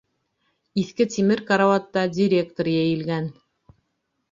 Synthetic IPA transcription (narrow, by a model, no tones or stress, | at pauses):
iθkɘt̪ʲimɘɾkaɾavat̪ːɑdʲɪɾʲe̞k̚t̪orjæjɘ̆lɡæn